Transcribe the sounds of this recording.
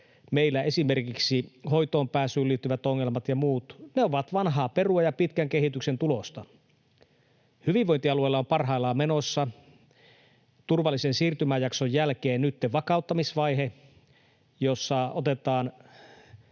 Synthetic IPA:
meilːæe̞simerkiksiho̞jt̪o̞ːmpæːsyːlːiːt̪ːyʋæt̪oŋːelmɑt̪jɑmuːt̪neoʋɑt̪ʋɑnɦɑːpe̞ruɑjɑpit̪kæŋkeɦit̪yksent̪ulo̞st̪ɑ | hyʋiʋʋo̞jnt̪iɑluejlːɑompɑrɦɑilːˑɑːme̞nosːɑ | t̪urʋɑlːisensiːrt̪ymæjɑksojːælkeːnnyt̪ːeʋɑkɑˑut̪ːɑmisʋɑjɦe | josːɑot̪et̪ɑːn

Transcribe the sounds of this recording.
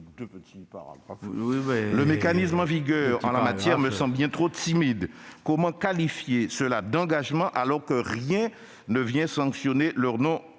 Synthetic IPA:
d̪øpət̪ipa̰ʁa̰ɡa̰fwiɛləmekanismɑ̃viɡœʁɑ̰̃lamat̪jɛʁməsɑ̃bbjɛ̃t̪χot̪imid̪kɔmɑ̃kalifjesəlad̪ɑ̃ɡaʒmɑ̃ʔalɔʁkəʁjɛ̃ | nəvjɛ̃sɑ̃ksjonelœʁnɔ̃

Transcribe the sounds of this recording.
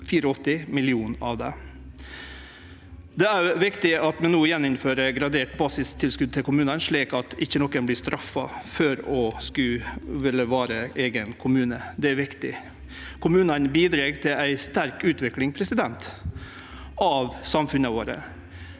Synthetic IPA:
fiːɾəɔt̪ːɪmɪlɪuːnɑ̰ʋd̪ɛ̰ | d̪ɛæɾʋɪkt̪ɪɑt̪mɛnuːjɛnːɪnføːɾəɡɾɑd̪eːʈbɑːsɪst̪ʰːɪlskʉd̪̚t̪ɪlkʊmʉːnənʂɭiːkɑt̪ɪçːənɔkːənblɪːʂt̪ɾʔɑfːɑ̰føːɾɔskʉʋɪlːəʋɑːɾəʔeːɡənkʰʊmʉːnəd̪ɛæɾʋɪkt̪ɪ | kʰʊmʉːnənbiːd̪ɾeːɡt̪ʰɪlæɪst̪æɾkʉːt̪ʋɪklɪŋpʰɾɛsɪd̪ɛnt̪ | ɑʋsɑmfʉnəʋoːɾə̰

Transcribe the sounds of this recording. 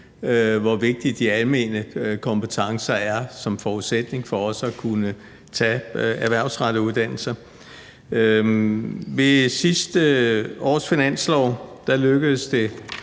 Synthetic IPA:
ʋɒʋe̝ɡ̥̚d̥id̥iælme̝nəkʰɒ̽mpət͡sʰɑ̈ŋsɐæɐsɒ̽mfɒːuðˠsed̥ne̝ŋfɒ̽ɒ̽sækʰunə | t͡sʰɛ̰æɐʋæɐ̰ʊsʁɑ̈ɾ̥əuðˠd̥æn̰l̩sɐ | ʋe̝sisd̥əɒ̰ːsfinæn̰slɒ̰ʊ̰d̥æløɡ̥əð̩ˠəsd̥e̝

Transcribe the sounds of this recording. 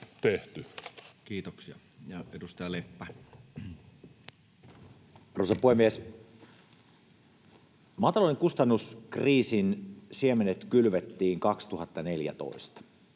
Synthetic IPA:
t̪eht̪ykiːt̪oksiɑ | jɑedust̪ɑjɑlepːæ | rosɑpuhemːies | mɑt̪ɑloineŋkust̪ɑnːuskriːsinsiemenet̪kylʋet̪ːiːŋkɑkst̪uhɑt̪ːɑneljæ̰t̪o̰ist̪ɑ̥

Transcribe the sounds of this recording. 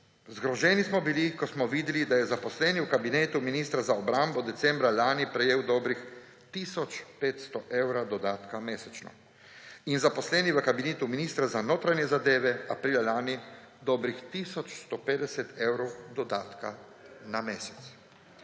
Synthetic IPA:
zɡɾɔʒɛːnismɔbilikɔsmɔʋiːd̪ɛlid̪ajɛzapɔslɛːniwkabineːt̪uminiːst̪ɾazaɔbɾambɔd̪ɛt̪sɛmbɾalaːnipɾɛjeːwd̪ɔːbɾix | t̪iːsɔt͡ʃpeːt̪st̪ɔʔewɾad̪ɔd̪aːt̪kameːsɛt͡ʃnɔ̰ | inzapɔslɛːniʋəkabineːt̪uminiːst̪ɾazanoːt̪ɾanjɛzad̪eːʋɛapɾiːlalaːni | d̪ɔbɾixt̪iːsɔt͡ʃst̪ɔpeːd̪ɛsɛt̪ewɾɔwd̪ɔd̪aːt̪ka | nameːsɛ̥t̪s

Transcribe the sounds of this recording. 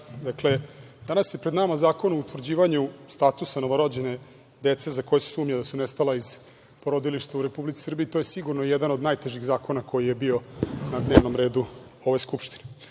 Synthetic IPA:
d̪akle̞ | d̪anasje̞pɾed̪namazaːko̞nuout̪ʋr̩d͡ʑiːʋaɲust̪at̪usano̞ʋoɾod͡ʑe̞ne | d̪et̪se̞zako̞jesu̥suːmɲad̪asunest̪alaiz̥ | po̞ɾod̪iliʃt̪auɾe̞publit̪i̥sr̩biːt̪ojesiɡuɾnoijeɛd̪anod̪najt̪e̞ʒiɣzaːko̞nako̞jije̞bio̞nad̪ne̞ːʋno̞mɾe̞ːd̪uo̞ʋo̞jskupʃt̪i̥ne

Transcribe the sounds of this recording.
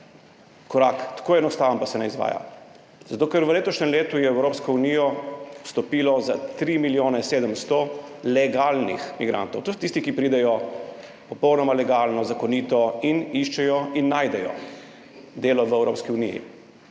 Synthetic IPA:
kɔɾakt̪ḁkojɛnɔst̪aːʋənpasɛnɛizʋa̰ːja̰ | zat̪oːkəɾʋəleːt̪ɔʃnɛmleːt̪ujɛɛwɾoːpskɔunijɔ̥st̪ɔpiːlɔza̰t̪ɾiːmiljoːnɛseːd̪əmst̪ɔlɛɡalnḭxmiɡɾa̰nt̪ɔ̰wt̪osɔt̪ist̪ikipɾiːd̪ɛjɔ | pɔpɔwnɔmalɛɡaːlnɔzakɔniːt̪ɔiniʃt͡ʃɛjɔinːaːjd̪ɛjɔ̰ | d̪eːlɔʋɛwɾoːpskiunḭjḭ

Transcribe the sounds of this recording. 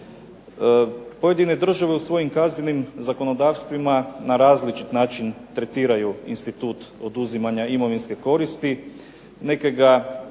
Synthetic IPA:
po̞je̞d̪ine̞d̪r̩ʒaʋe̞usʋo̞jimkazɲenimzako̞no̞d̪aːʋst̪ʋimanaɾaːzlit͡ʃit̪naːt͡ʃint̪ɾe̞t̪iːɾajuḭnst̪it̪uːt̪o̞d̪uzimaɲaimo̞ʋinske̞ko̞ɾist̪i | ne̞keɡa

